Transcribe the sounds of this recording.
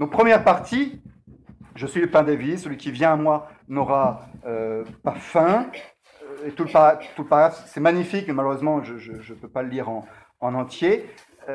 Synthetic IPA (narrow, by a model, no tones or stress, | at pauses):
d̪ɔ̃k̚pχəmjɛʁpaʁt̪ʰi | ʒəsɥiləpɛ̃d̪evisəlɥikʲivjɛ̃amwa | nɔʁaøpafɛ̃ | et̪uləpat̪uləpaʁaɡʁafsɛmaɲifikmemaløʁøzmɑ̃ʒəʒəʒəpøpaləliʁɑ̃ː | nɑ̃t̪je